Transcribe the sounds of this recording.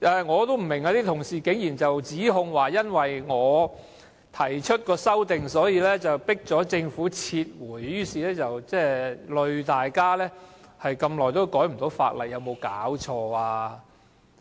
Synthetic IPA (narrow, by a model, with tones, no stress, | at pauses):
ʔɛː˨˧ŋɔː˨˧t̪o˥m̩˨˩mɪ˨˩ŋaː˧t̪iː˥t̪ʰʊ˨˩ŋsiː˨kɪ˨˥ŋjiː˨˩nt͡sɐ˨wt͡siː˨˥ɦʊ˧ŋwaː˨˩jɐ˥nwɐ˨jŋɔː˨˧ | t̪ʰɐ˨˩jt͡ʃʰɵ˥t̚kɔː˧sɐ˥wt̪ɪ˨ŋsɔː˨˥jiː˧lɛː˥t͡sɐ˨˩wpɪ˥k̚t͡sɔː˨˥t͡sɪ˧ŋfuː˨˥t͡sʰiː˧t̚wuː˨˩jjyː˥siː˨lɛː˥t͡sɐ˨wt͡sɛː˥lɵ˨˧ɥt̪aː˨jkaː˥lɛː˥hɐ˨jkɐ˧mlɔː˨˩jt̪o˥wkɔː˨˥jm̩˨˩t̪o˨˥wfa̰ː˧t̚lɐ˨t̚jɐ˨˧wmo˨˧wkaː˨˥wt͡ʃʰɔː˧aː˧